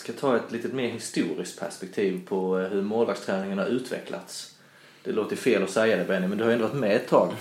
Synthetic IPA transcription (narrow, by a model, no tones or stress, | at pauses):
skat̪ʰɑːɛt̪liːt̪ət̪meːɾhɪst̪uːɾɪskt̪̚pʰæ̰ʂpɛk̚t̪ʰiːvpʰɔɦɵɾmoːlvaɡst̪ʰɾæːnɪŋənhaɾʉ̟ːt̪vɛ̰kʰlʔa̰t̪s | d̪̥ɛloːt̪əɾfeːlɔsɛjːad̪ɛbɛnːɪmɛnd̪ɵhaɾɛnɔvaʈt̪mɛɛt̪ʰːɑːɡ